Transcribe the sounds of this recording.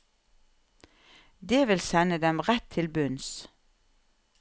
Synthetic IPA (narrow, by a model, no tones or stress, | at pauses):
d̪eːʋɪlsɛnəd̪ɛmʁɛt̪ʰɪlbʉns